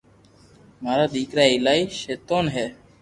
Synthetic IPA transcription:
maɾad̪ikɾaejlajʃet̪onɦɛ

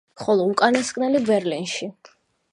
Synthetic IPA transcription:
χɔlˠɔukʼaniskʼnɛlibɛɾlinʃi

